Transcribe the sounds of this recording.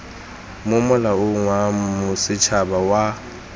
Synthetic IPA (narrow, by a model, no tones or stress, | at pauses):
mʊmʊlaʊŋwamʊsɪt͡ʃʰabawa